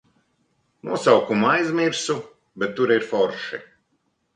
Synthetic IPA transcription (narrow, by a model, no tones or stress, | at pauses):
nuɔsawkumajzmiɾsu | bɛt̪ːuɾiɾfɔɾʃḭ